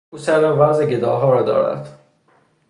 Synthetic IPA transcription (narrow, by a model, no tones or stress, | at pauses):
uːsæɾɒːvæzeɟed̪ɒːɦɒːɾɒːd̪ɒ̰ːɾæ̰d̪̥